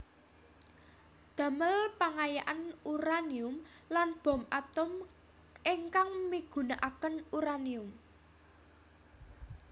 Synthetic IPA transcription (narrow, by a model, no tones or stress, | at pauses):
d̪̥ä̤məlpaŋajaʔanuɾaniʊm | lanb̥ɔ̤mʔat̪ʊm | ʔeŋkaŋmiɡ̥ṳnaʔakənuɾaniʊm